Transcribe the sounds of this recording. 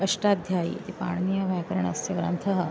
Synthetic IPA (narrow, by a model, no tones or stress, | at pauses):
ɐʂʈad̪ʱjaḭt̪ipa̰ɳnijɐʋajkɐɾəɳ̃ɐ̰sjɐʋɾa̰nt̪ʰɐɦə